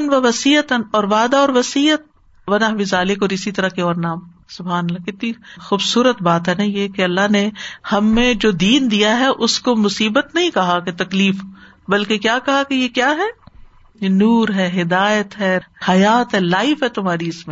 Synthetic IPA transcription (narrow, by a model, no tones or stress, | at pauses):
nʋɐʋɐsiːət̪ənɔːɾʋaːd̪aɔːɾʋɐsiːət̪̚ | ʋɐnaɦʋɪzaːlɪkɔːɾɪsit̪ɐɾɐkeɔːɾnaːm | sʊbɦaːnəlːakɪt̪nixuːbsuːɾət̪baːt̪ɦɛnɐĩjekeɐlːaɦnehɐmːẽd͡ʒoːd̪iːnd̪ijaɦɛʔʊskomʊsiːbət̪nɐɦĩkɐɦaket̪ɐkliːf | bɐlkekjaːkɐɦakejekjaːɦɛː | jenuːɾɦɛːɦɪd̪aːjət̪ɦɛhɐjaːt̪ɦɛlaːɪfɦɛt̪ʊmɦaːɾiʊsmẽ